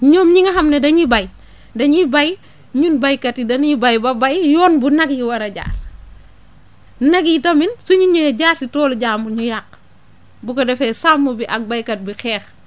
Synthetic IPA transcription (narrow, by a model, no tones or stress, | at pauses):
ɲɔːmɲiŋɐɦɐmnɛdɐɲibɐj | dɐɲibɐj | ɲunbɐjkɐtidɐnjibɐjbɐbajjɔːnbunɐkjiwɐɾɐɟa̰ːr | nɐkjitɐminsuɲiɲɛɟaːɾsitɔːlɟaːmuɲujak̚ː | bukɐdɛfɛsamːubiʔɐk̚bajkɐt̚bixɛːx